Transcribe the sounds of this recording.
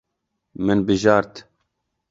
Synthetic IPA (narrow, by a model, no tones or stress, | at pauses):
mɨnbɨʒɑːɾt̪